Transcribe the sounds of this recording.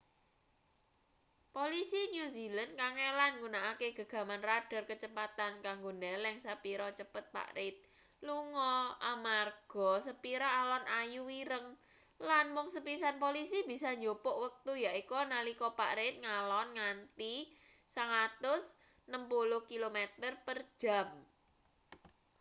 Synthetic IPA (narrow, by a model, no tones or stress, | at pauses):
polisinjuzilənkaŋelanŋunaʔakeɡ̥a̤ɡ̥a̤manraɖ̥a̤rkət͡ʃəpat̪ankaŋɡonɛlɛŋsapiɾɔt͡ʃəpət̪̚pa̰ʔɾɪt̪̚ | luŋɔamarɡ̥ɔ̤səpiɾaʔalɔnʔajuwiɾəŋ | lanmʊŋsəpisanpolisib̥isaɲd͡ʒopɔʔwək̚t̪ujaʔikɔnalikɔpa̰ʔɾɪt̪̚ŋalɔnŋant̪i | səŋat̪ʊs | nəmpuluhkilomet̪ərpərd̥ʒ̥a̤m